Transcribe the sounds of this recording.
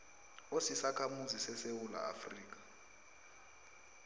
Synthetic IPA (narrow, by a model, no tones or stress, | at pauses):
osisakʰamuzisɛsewula̰a̰friːk̬ḁ